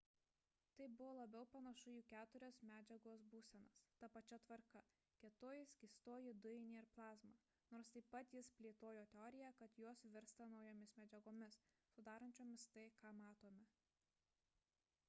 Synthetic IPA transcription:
t̪ɐɪbʊʋoːlˠɐbʲɛʊpɐnɐʃʊjuːkʲæːt̪ʊɾʲoːsmʲæːd͡ʒʲɛɡoːsbuːsʲɛnɐst̪ɐpɐt͡ʃʲɛt̪ʋɐɾkɐ | kʲɛt̪oːjɪsɡʲiːst̪oːjɪd̪ʊɪnʲiɪɾplˠɑːzmɑː | noːɾst̪ɐɪpɐt̪jɪspʲlʲeːt̪oːjoːt̪ʲɛɔːɾʲɪjækɐt̪joɔsʋʲɪɾst̪ɐnɒʊjoːmʲɪsmʲɛd͡ʒʲɛɡoːmʲɪs | sʊd̪ɑːɾɐnʲt͡ʃʲoːmʲɪst̪ɐɪkɑːmɑːt̪oːmʲɛ

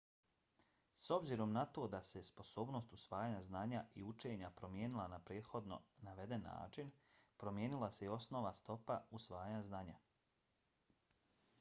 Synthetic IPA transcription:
so̞bziɾo̞mnat̪o̞ːd̪ase̞spo̞so̞ːbno̞ːst̪usʋaːjaɲaznaːɲaʔiut͡ʃe̞ːɲapɾo̞mje̞ːnilˠanapɾe̞ːt̪xo̞d̪no̞̰naʋe̞d̪e̞nːa̰ːt͡ʃinpɾo̞mje̞ːnilˠaseio̞sno̞ʋast̪o̞pausʋaːjaɲaznaːɲa

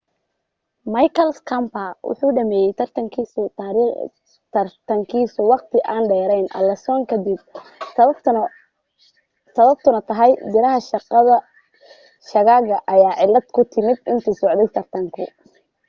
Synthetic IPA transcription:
mɐjkʰɐlskʰɐmpɐwʊ̰ħuːɖɐmɛːjɛjt̪ʰɐrt̪ʰɐŋkʰiːsʊɾ | t̪ɐrt̪ʰɐŋkʰiːsʊwɑqt̪ʰɪʔaːnɖɛːɾɛjnʔɐ̰lɛsɔːŋkʰɐd̪ɪb̚ | sɐβɐb̚t̪ʰʊnɐt̪ʰɐɦɛjb̪ɪɾɐɦɐʃɑqðɐ | ʃɐɣaːɣɐʔɐjaːʕɪlːɐd̪kʰʊt̪ʰɪmɪd̪ɪnt̪ʰiːsɔʕd̪ɛjt̪ʰɐrt̪ʰɐŋkʰʊ

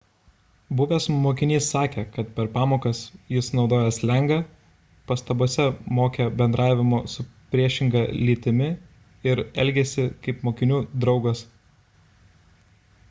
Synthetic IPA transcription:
bʊʋʲeːsmoːkʲɪnʲiːsːɑːkʲekɐt̪̚pʲɛɾpɑːmoːkɐsjɪsnɒʊd̪oːjɛslʲɛŋɡɐ | pɐst̪ɐboɔsʲɛmoːkʲɛbʲɛnd̪ɾɑːʋʲɪmoːsʊpʲɾʲiɛʃʲɪŋɡɑlʲiːt̪ʲɪmʲɪ | ɪɾɛlʲɡʲeːsʲɪkɐɪpmoːkʲɪnʲuːd̪ɾɒʊɡɐs

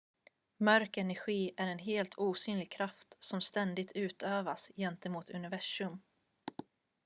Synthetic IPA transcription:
mœɾkɛnæɾɧiːʔæɾɛnɦeːlt̪ʰuːsyːnlɪɡ̚kʰɾaft̪sɔmst̪ɛnd̪ɪɡ̚t̪ʰʉ̟ːt̪ʰøːvasjɛnt̪əmuːt̪ʰɵ̰nɪvæʂɵm

